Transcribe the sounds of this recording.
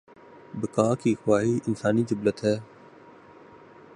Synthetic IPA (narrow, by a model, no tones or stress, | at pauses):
bɪkaːkixʊwaːɦiːʔɪnsaːnid͡ʒʊblət̪ɦɛː